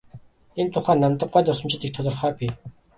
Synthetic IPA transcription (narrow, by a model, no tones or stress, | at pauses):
ent̪ʰʊχæːnamt̪ə̆ɢɢæːɮt̪ʊsɞ̆mt͡ɕɪ̆t̪iːk̚t̪ʰɔt̪ɞ̆rχœːpʲiː